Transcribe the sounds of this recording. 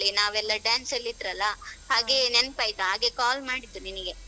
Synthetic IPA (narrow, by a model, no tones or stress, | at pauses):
ɭinaːʋɛlːɐɖaːnsɐlːid̪ɾɐlːɐɦaːɡenenpaːjt̪uɦaːɡe̞kaːlmaːɽid̪ːuniniɡe